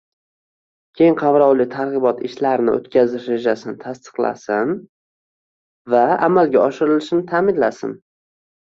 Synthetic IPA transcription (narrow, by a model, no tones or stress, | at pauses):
kʲʰe̞jɪŋqʰɑvɾɒwlɪt̪ʰaɾʁɨbɒt̪ʰɪʃlaɾnɪo̰t̪kʲʰazɪʃɾe̞d͡ʒasɪnɪt̪ʰast̪ɨ̥qlˠa̰sɪn | vaamalɡʲaɒʃɪɾɪlɪʃɪnɪt̪ʰaːmɪnlasɪ̰n